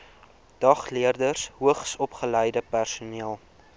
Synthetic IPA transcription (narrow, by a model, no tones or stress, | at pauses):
d̥ɐχliərdərsɦuəχsɔpχələjdəpærsuniəlˠ